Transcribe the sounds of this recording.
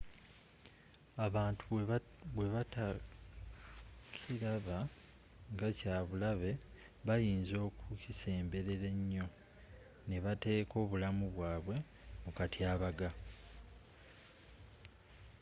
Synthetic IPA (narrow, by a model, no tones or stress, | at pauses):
aβaːntʰu | βwe̞βata | kʰiɾaβa | ŋɡacaːβulaβe̞ | βajiːnzo̞ːkucise̞ːmbe̞ɾe̞ɾe̞ɲːo̞ | ne̞βate̞ːko̞ːβulamuβwaːβwe̞ | mukatʰiaːβaɡa